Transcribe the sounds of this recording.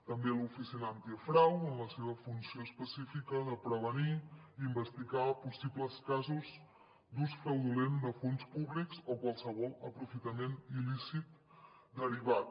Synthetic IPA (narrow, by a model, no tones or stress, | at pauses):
t̪əmbelufisinant̪iəfɾawəmləseβ̞əfunsioəspəsifikəðəpɾəβ̞əniimbəst̪iɣapusipləskazuz | d̪usfɾəwðulend̪əfonspuβlikzokwalˠsəβɔlˠəpɾufit̪əmenilisit̪̚ | d̪əɾiβ̞at̪̚